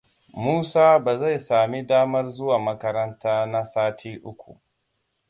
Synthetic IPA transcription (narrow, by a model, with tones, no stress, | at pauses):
muː˦saː˦baː˨za˦˨jsaː˨mi˦daː˦mɐ˦rzʊ˦waː˨mɐ˦kɐ˦ɾɐ˦ntaː˦na˦saː˦tʰiː˦ʔʊ˦kʷṵ˨ʔ